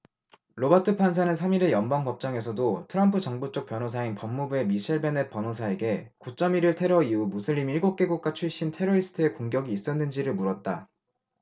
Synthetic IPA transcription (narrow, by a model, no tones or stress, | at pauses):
ɾobatʰɯpʰansʰanɯnsʰamiɾe̞jʌnbaŋpʌp̚t͡ɕ͈aŋe̞sʰʌdotʰɯɾʌmpʰɯt͡ɕʌŋbut͡ɕ͈ok̚p͈jʌnosʰainpʌmːubue̞miɕʰeɭbe̞net̚p͈ʌnosʰae̞ɡe̞kut͡ɕ͈ʌmiɾɯɭtʰe̞ɾʌiumusʰɯʎːimiɭɡok͈e̞ɡuk͈̚at͡ɕʰuɭɕ͈intʰe̞ɾoisʰɯ̥tʰɯe̞koŋɡjʌɡiːs͈ʌnːɯnd͡ʑiɾɯɭmuɾʌt̚t͈a